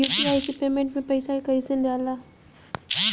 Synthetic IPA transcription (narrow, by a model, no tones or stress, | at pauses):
uːpiaːisepeːmẽɳʈmẽpɐɪsaikɐɪsə̃ndaːlaː